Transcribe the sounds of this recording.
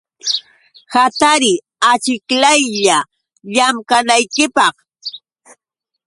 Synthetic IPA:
hat̪aɾɪ | at͡ʃɪklajʎa | ʎamkanajkɪpɑχ

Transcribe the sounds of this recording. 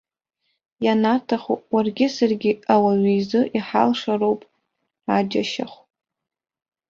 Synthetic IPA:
janatʰaχowarɡʲɪsarɡʲɪawaɥizɨʔiħa̰lʂarowpʼ | ad͡ʒaʃa̰χʷ

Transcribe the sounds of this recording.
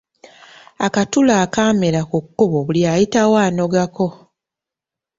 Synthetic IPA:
akatulaːkaːmelakukːuβoβuljaːjitawaːno̞ɡako̞

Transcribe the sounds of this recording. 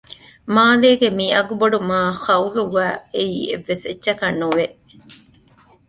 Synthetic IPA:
maːleːɡemiɐɡuboɖumaːxɐuluɡæːeiːḛʋːesetːʃɐkɐnːuʋe

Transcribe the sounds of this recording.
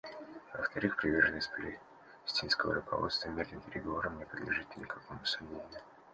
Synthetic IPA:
və̰ft̪ɐɾɨxpɾʲɪvʲe̞rʐənəsʲt̪ʲplʲɪ̰ | sʲtʲinskəvə̰ɾʊkɐ̰vo̞̰t̪st̪vəmʲed̪lʲɨmpʲɪɾʲɪɡɐvo̞ɾəmnʲɪpɾʲɪd̪lʲɪʐɨt̪ʲnʲɪkɐko̞mʊsɐmnʲenʲɪ

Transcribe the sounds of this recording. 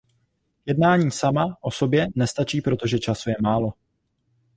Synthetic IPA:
jɛdnaːɲiːsamaʔo̞so̞bjɛnɛst̪at͡ʃiːpɾo̞t̪o̞ʒɛt͡ʃasujɛmaːlo̞

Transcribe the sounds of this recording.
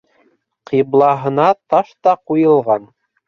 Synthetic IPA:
qiblˠɑɦɤ̆nɑt̪ɑʃt̪ɑqujɤ̆lˠʁɑn

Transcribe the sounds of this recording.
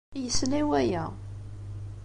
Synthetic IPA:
jəslæwæjæ

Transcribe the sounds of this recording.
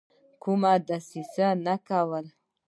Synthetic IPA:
kumad̪asisanakawəl

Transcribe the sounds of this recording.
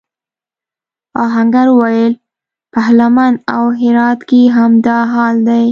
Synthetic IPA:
ɑɦaŋɡaɾwajəl | pahlamanawɦɪɾɑt̪keɦamd̪ɑɦɑld̪aj

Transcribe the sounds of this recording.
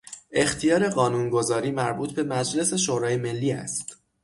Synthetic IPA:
ʔe̞xt̪ʰijɒːɾe̞ɢɒːnuːnɡo̞zɒːɾiːmæɾbuːt̪ʰbe̞mæd͡ʒle̞se̞ʃoːɾɒːjeme̞lːiːæ̰st̪

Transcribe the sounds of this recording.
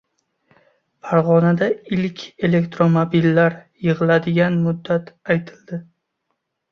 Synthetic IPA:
faɾʁɒnad̪aɪlkʲe̞le̞kt̪ɾomobilːaɾjɨʁɨlad̪ɪɡʲanmʊd̪ːat̪ajt̪ʰɪ̥ld̪ɪ

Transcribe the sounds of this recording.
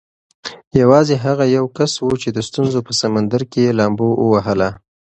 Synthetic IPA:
jawɑzeɦaɣajawkaswut͡ʃed̪əst̪unzopəsamand̪aɾkejelɑmboʔəwaɦəla

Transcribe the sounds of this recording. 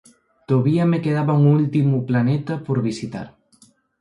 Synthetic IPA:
t̪oβiamekeð̞aβauŋult̪imuplanɛt̪apoɾβisit̪a̰ɾ

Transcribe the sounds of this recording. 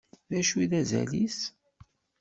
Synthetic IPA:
ðæʃuiðæzæ̰lis

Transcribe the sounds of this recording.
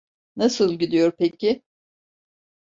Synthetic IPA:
nasɯlˠɟid̪ijo̞ɾpecʰɪ

